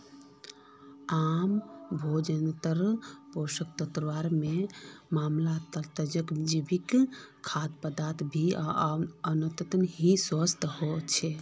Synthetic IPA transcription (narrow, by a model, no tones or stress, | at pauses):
ambʱod͡ʒənt̪əɾposək̚t̪ət̪ɾəʋaɾmemamlat̪ət̪əd͡ʒəkd͡ʒibikkʰːad̪pəd̪at̪ʰbʱiaənət̪ət̪nɦisəst̪ʰɦot͡ʃʰɛ